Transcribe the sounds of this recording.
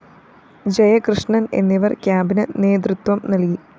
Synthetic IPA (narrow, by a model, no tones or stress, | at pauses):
d͡ʑejɐkrɨʂɳɐne̞̰nːiʋɐrkʲjaːbinɐne̞ːd̪rɾɨt̪ʋɐmnɐlki